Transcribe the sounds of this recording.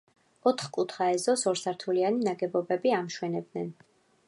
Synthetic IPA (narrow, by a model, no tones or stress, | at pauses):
ɔt̪ʰχkʼut̪ʰχaɛzɔsɔɾsaɾt̪ʰulianinaɡɛbɔbɛbiamʃwɛnɛb̚d̪nɛn